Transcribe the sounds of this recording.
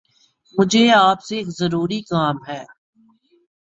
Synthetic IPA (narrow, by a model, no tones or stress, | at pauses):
mʊd͡ʒʱeaːpseːkzɐɾuːɾikaːmɦɛː